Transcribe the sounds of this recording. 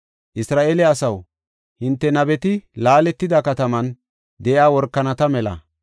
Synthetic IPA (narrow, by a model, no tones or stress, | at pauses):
ʔɪsɾaːʔeːlɛɐsɐw | hɪnt̪ːɛnɐbɛt̪ɪlaːlɛt̪ːɪd̪ɐkɐt̪ɐmɐn | d̪ɛʔjaːwɔɾkːɐnɐt̪ɐmɛlɐ̰